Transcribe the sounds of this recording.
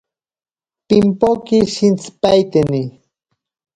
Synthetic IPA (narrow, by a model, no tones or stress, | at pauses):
pimpokiʃint͡spajt̪eni